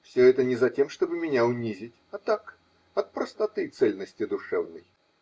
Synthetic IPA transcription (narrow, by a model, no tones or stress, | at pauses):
fsʲɵɛt̪ənʲɪzɐtʲemʂt̪obɨmʲɪnʲaʊnʲizʲɪtʲɐt̪ak | ɐt̪̚pɾəst̪ɐt̪ɨt̪sɛlʲnəsʲtʲɪd̪ʊʂɛvnɨj